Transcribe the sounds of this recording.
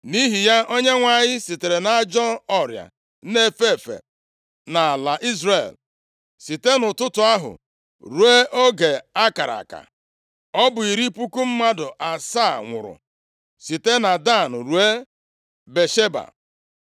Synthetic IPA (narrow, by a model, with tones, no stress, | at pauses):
ni˦ɦi˨ja˦ʔo˦ɲe˦ŋʷa˨ɲɪ˦si˨te˨ɾe˨na˦d͡ʒɔ˦ɔ˦ɾja̰˨˦ | ne˦˨fe˦˨fḛ˨ | na˨la˨ʔi˦zɾe˨l | si˨te˦nʊ˨tʊ˦tʊ˨a˦ɦʊ̰˨ | ɾu˨e˦ʔo˦ɡe˨a˦ka˨ɾa̰˨ka̰˨ | ɔ˦bʊ˨i˨ɾi˦pu˦ku˦m̩˦ma˦dʊ˨ʔa˨sa˦˨ŋʷʊ̰˨ɾʊ̰˨ | si˨te˦na˨da˦˨n̩˨ɾu˨e˦ | be˨ʃe˦ba̰˨